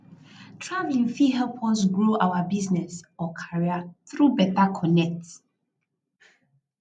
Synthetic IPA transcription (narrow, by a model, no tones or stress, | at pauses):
tʰɹavlĩnfiɦɛlpʰɔsɡɹoʔawabiznɛsɔkʰaɹiaθɾubɛtakʰɔnɛk̚t